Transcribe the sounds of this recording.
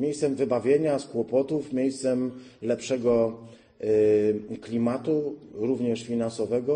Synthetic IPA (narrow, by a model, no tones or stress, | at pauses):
mʲjejst̪sɛmvɘbavʲjeɲaskwɔpɔt̪ufmʲjejst̪sɛmlɛpʂɛɡɔ | klʲimat̪uɾuvɲɛʂfʲinansɔvɛɡɔ